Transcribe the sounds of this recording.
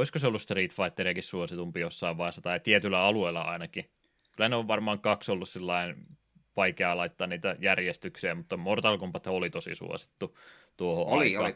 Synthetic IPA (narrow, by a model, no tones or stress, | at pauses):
oiskoseolːust̪riːt̪fɑit̪ːeriɑkissuosit̪umpijosːɑiʋʋɑisɑt̪ɑit̪iet̪ylːˑæɑlueilːɑ̰ɑ̰inɑki | kylæneoʋʋɑrmɑːŋkɑksolːussilːɑin | ʋɑikeɑlɑit̪ːɑːniːt̪æjærjest̪yksiæmut̪ːɑmort̪ɑlkumpɑt̪eolit̪osḭsṵo̰si̥t̪ːu | t̪uoho̰ʔɑ̰ˑɑ̰ː